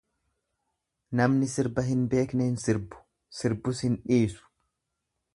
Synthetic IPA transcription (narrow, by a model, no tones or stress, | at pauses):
nɐmnɪsɪɾbɐɦɪnbe̞ːknɛɪnsɪɾbʊ̥ | sɪɾbʊshɪnᶑiːsʊ̥